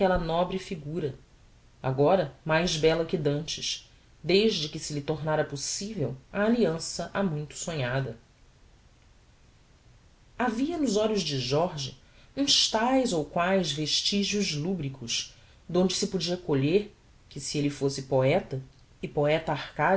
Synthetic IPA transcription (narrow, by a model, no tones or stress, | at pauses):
kɛlɐnɔbɾɪfiɡuɾɐ | a̰ɡɔɾɐmajzbɛlɐkɪd̪ɐ̃nt͡ʃɪʃ | d̪ejʒd͡ʒɪkɪsɪlɪt̪oɾnaɾɐposivewɐːliɐ̃sɐʔamũj̃t̪ʊ̥sõɲad̪ɐ | aviɐnʊzɔʎʊzd͡ʒɪʒɔɾʒḭ | ũʃt̪ajzowkwajzveʃt͡ʃiʒuzlubɾikʊʃ | d̪õd͡ʒɪsɪpud͡ʒiɐkoʎeɾ | kɪsielɪfosɪpoɛt̪ɐ | ɪpoɛt̪ɐahka